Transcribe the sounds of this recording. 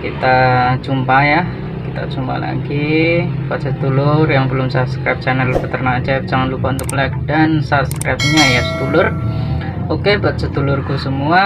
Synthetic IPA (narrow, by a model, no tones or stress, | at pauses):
kit̪at͡ʃumpaja | kit̪a̰t͡ʃumpa̰la̰ɡibat̪sət̪ulʊrjaŋbəlʊmsaskɾajp̚t͡ʃɛnəlpət̪ərnat͡ʃɛp̚d͡ʒaŋanlupaunt̪ʊklɛk̚dansap̚skɾap̚ɲajasə̥t̪ulʊr | okepat̪̚sət̪ulʊrkusəmua